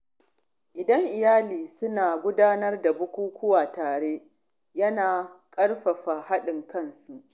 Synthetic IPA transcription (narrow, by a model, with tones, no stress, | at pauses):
ʔɪ˨dɐ˦ŋʔɪ˨jaː˦liː˨sʊ˦naː˨ɡʷʊ˦daː˦nɐ˦rda˨bʊ˦kʷuː˦kʷʰʊ˦waː˨taː˨ɽeː˦ | jɐ˦naː˨kʼɐ˦ɽɸɐ˨ɸa˨ha˦ɗɪ˨ŋkɐ˦nsu˨ʔ